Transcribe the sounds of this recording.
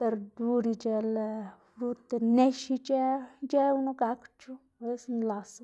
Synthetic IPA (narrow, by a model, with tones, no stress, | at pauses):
p̪e˧ɾd̪u˧ɾi˧t͡ʃe˧lfɾu˧t̪e˧ne˦ʃi˧t͡ʃe˦d͡ʒe˦u˧˦nu˦ɡa˧˦kt͡ʃu˦˨be˦snla˨s